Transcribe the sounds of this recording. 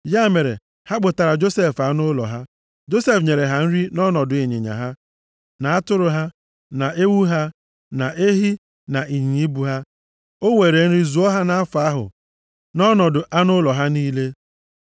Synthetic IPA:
ja˦˨me˨ɾḛ˨ | ha˦ɡ͡bʊ˨ta˨ɾa˨d͡ʒo˦se˦˨fa˦nʊ˦lɔ̰˨ɦa˦ | d͡ʒo˦se˦fɲe˨ɾe˨ɦa˨n̩˦ɾi˦nɔ˦nɔ˨dʊ˨e˨ɲḛ˨ɲa̰˨ɦa˦ | na˨a˦tʊ˦ɾʊ˨ɦa˦ | na˨e˦wu˦ɦa˦ | na˨ʔe˦ɦi˦ | na˨ʔi˨ɲi˨ɲi˦bu˨ɦa˦ | o˦we˨ɾe˨n̩˦ɾi˦zu˨ɔ˦ɦa˦na˦a˦fa˦ɦʊ̰˨ | nɔ˦nɔ˨dʊ˨ʔa˦nʊ˦lɔ˨ɦa˦niː˦le˦

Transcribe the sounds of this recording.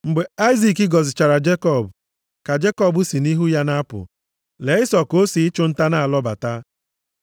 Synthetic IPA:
ŋ͡m̩˨ɡ͡be˨a˦ɪ˦zi˨ki˦ɡɔ˨zɪ˨t͡ʃa˨ɾa˨d͡ʒe˦kɔ˦˨bʊ˨ | ka˨d͡ʒe˦kɔ˦˨bʊ˦si˨ni˦ɦu˦ja˦na˦pʊ̰˨ | le˨˦ɪ˦sɔ˨ko˦si˨ɪ˦t͡ʃʊ˦n̩˦ta˦na˦a˨lɔ˦ba̰˨ta˦

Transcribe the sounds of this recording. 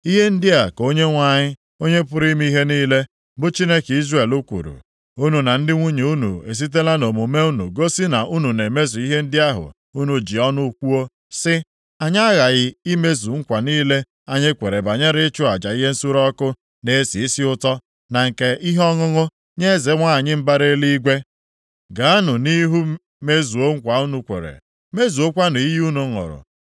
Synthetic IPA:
i˦ɦe˦n̩˦dɪ˦a˨ko˦ɲe˦ŋʷa˨ɲɪ˦ | o˦ɲe˦pʊ˦ɾi˦mi˦i˦ɦe˦niː˦le˦ | bʊ˦t͡ʃi˦ne˦ki˦zre˨lu˦kʷṵ˨ɾṵ˨ | u˦nu˨na˨n̩˦dɪ˦ŋʷu˦ɲe˨u˦nṵ˨ḛ˨s̬i˦t̬e˦la˦no˨mu˨me˦u˦nṵ˨ɡo˦sɪ˦na˨ʔu˦nu˨ne˨me˦zu˨i˦ɦe˦n̩˦dɪ˦a˦ɦʊ̰˨ | u˦nu˨d͡ʒi˨ɔ˦nʊ˦kʷu˦o˦ | sɪ˦ | a˨ɲa˦a˦ɣa˨ɣɪ˦i˦me˦zu˨ŋ̩˦kʷa˨niː˦le˦ | a˦ɲe˦kʷe˨ɾe˨ba˨ɲa˦ɾɪ˦t͡ʃʊ˦a˨d͡ʒa˨i˦ɦe˦n̩˦su˦ɾɔ˦kʊ˦ | ne˦si˨i˦si˦ʊ˦tɔ˦ | na˨ŋ̩˨ke˦ʔi˦ɦɔ˦ŋʊ˦ŋʊ˦ | ɲe˦ze˨˦ŋʷa˦a˨ɲɪ˦m̩˦ba˦ɾe˦li˦i˦ɡʷe˦ | ɡa˨a˦nʊ˨ni˦ɦu˦ | me˦zu˨o˦ŋ̩˦kʷa˨u˦nu˨kʷḛ˨ɾḛ˨ | me˦zu˨o˦kʷa˦nʊ˨i˦ju˦nu˨˦ŋʊ̰˨ɾʊ̰˨

